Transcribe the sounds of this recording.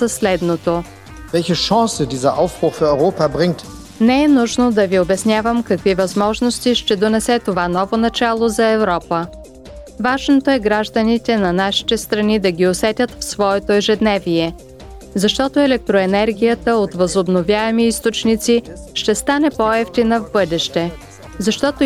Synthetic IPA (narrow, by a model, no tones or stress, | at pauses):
sɐslɛd̪not̪o | vɛlçəʃɔ̃ːsədiːzɐʔaʊfb̥ʁʊxfiɐɔʏʁoːpabʁɪŋt | nɛɛnuʒnod̪ɐviobɛsnʲjavəmkɐkvivɐzmɔʒnost̪iʃt̪ɛd̪onɛsɛt̪ovanɔvonɐt͡ʃalˠozɐɛvɾɔpə | vaʒnot̪oɛɡɾaʒd̪ənit̪ɛnɐnaʃi̥t̪ɛst̪ɾɐnid̪ɐɡʲiosɛt̪ʲət̪fsvɔɛt̪oɛʒɛd̪nɛviɛ | zɐʃt̪ɔt̪oɛlɛk̚t̪ɾoɛnɛɾɡʲijət̪əot̪vəzobnovʲjaɛmiist̪ot͡ʃnit̪siʃt̪ɛst̪anɛpoɛft̪inəvbɤd̪ɛʃt̪ɛ | zɐʃt̪ɔt̪o